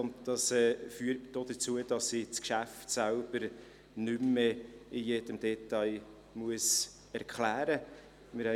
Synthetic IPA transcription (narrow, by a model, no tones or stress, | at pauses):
ʊntd̥ɑsɛːfyːəɾtd̥oːd̥ət͡suəd̥ɑsɪt͡skʃæftsælb̥əɾ | nʏmːeɪjed̥əmd̥ɛt̪ɑj | muəs | ɛɾkχlæːɾə | mɪɾhɛ